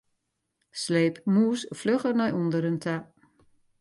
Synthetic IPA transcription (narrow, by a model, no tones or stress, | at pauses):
sleːpmuəsfløχərnɔjundəɾəntʰa